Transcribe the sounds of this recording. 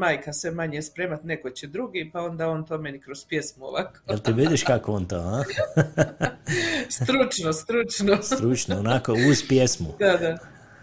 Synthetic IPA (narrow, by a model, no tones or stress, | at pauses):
maːjkasʋemaɲespɾe̞ːmat̪ne̞kot͡ɕed̪ɾuɡipao̞nd̪aont̪omenikɾozpje̞smuo̰ʋakoelˠt̪iʋid̪iʃkakooːnt̪ohã | st̪ɾut͡ʃnost̪ɾut͡ʃnost̪ɾut͡ʃnoonakouzpjesmud̪ad̪a